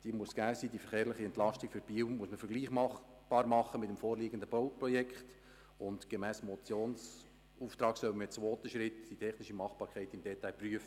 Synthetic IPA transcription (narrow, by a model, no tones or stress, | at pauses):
d̥iəmuəsɡ̥æːsiːdifɛɾχeːɾlɪχiɛnt̪lɑʃtɪkfyɾb̥iːwmuəsməfəɾɡliːχmɑχ | b̥ɑːɾmɑχːəmɪtəmfoːɾliːɡən̩dəb̥owprɔjɛkχt | ʊndɡ̥emæːsmɔt͡sjoːns | uːft̪ɾɑːksœwmt͡sʋoːt̪əʃɾɪtd̥itʰɛχnɪʃimɑχb̥ɑːɾkχɛɪtɪmd̥ɛt̪aɪlpryəfə